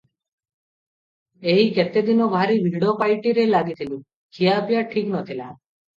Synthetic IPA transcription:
eɦiket̪ed̪inɔbʱaɾibʱiɽopajʈiɾelaɡit̪ʰilu | kʰijapjaʈʰiknɔt̪ʰila

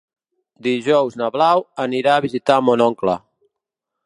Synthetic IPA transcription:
d̪iʒɔwznəβlawəniɾaːβizit̪amonɔŋklə̰

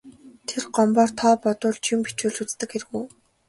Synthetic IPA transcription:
t̪ʰerɢɔmpɔːrt̪ʰɔːpɔt̪ʊːɮt͡ɕʰimpit͡ɕuːɮut͡st̪ɘ̆kxeɾɘ̆ɣuj

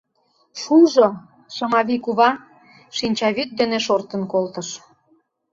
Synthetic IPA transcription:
ʃulʒo | ʃɤmɑβikuβɑ | ʃinʲt͡ɕɑβyt̪̚d̪eneʃort̪ə̆nkolt̪əʃ

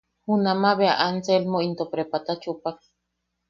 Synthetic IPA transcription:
hunamaβea̰ʔant͡selmoint̪opɾepat̪at͡ʃupak

